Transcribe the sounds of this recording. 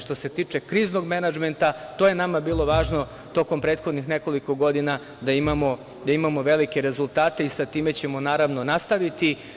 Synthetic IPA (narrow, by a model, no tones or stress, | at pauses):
ʃt̪o̞se̞t̪iːt͡ʂe̞kɾiːzno̞ɡmenad͡ʒment̪at̪oje̞namabiːlˠo̞ʋaːʒno̞ | t̪o̞ko̞mpɾeːt̪xo̞d̪nixne̞ko̞liko̞ɡo̞d̪ina | d̪aimamo̞ | d̪aimamo̞ʋe̞like̞ɾe̞zulˠt̪aːt̪e̞isat̪iːme̞t͡ɕe̞monaːɾaʋno̞nast̪aʋit̪i